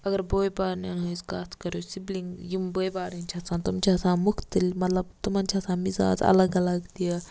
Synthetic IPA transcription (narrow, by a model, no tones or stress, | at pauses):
ɐɡəɾboːjbaːɾnɐnõiskaːt̪ʰkɐɾjoːsibliŋɡjumboːjbaːɾint͡ʃʰasãːt̪umt͡ʃʰaːsãːmʊkt̪əlmɐt̪lɐb̚t̪umant͡ʃʰaːsãːmiza̰ːd͡ʒɐ̰ləɡɐlɐɡt̪ia